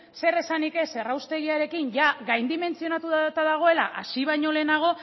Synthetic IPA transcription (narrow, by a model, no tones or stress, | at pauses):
se̞resanike̞se̞rawst̪e̞ɣ̞iaɾe̞kinʝaɣajnd̪ime̞nt͡sio̞nat̪uðt̪aðaɣ̞o̞e̞la̰ʔa̰siβ̞ajɲo̞le̞ːnaɣ̞o̞